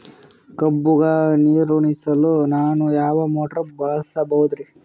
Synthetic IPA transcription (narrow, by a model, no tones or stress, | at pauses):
kɐbːuɡɐniːɾuɳisɐlunaːnujaːʋɐmoːʈɐɾɐbɐɭɐsɐbɐɦud̪ɾi